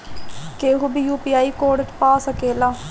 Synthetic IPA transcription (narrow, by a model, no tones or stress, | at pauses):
keːɦubijuːpiːaːiːkoːɖʈpaːsəkeːlaː